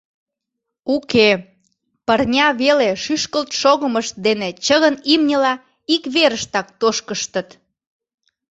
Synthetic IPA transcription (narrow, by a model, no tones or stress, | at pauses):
uke | pərnʲɑβeleʃyʃkəlt̪ʃoɣəməʃt̪̚d̪enet͡ɕəɣənimnʲəlɑ | ikβeɾəʃt̪ɑk̚t̪oʃkəʃt̪ət̪